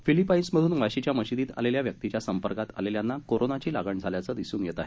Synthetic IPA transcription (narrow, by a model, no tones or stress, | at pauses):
filipainsməd̪ʱuːnʋaɕit͡ɕjaməɕid̪iːt̪a̰leljaʋjək̚t̪it͡ɕjasəmpəɾkat̪a̰leljanːakoɾonat͡ɕiːlaɡəɳd͡zʱaljat͡səd̪isuːnjet̪aɦe